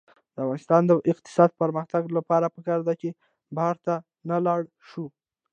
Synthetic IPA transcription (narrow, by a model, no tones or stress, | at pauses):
d̪əafɣɑnɪst̪ɑnd̪əʔɪq̚t̪ɪ̥sɑd̪̚pəɾməxt̪aɡlapɑɾapəkɑɾd̪at͡ʃe | bahaɾt̪a | nalɑɽ | ʃu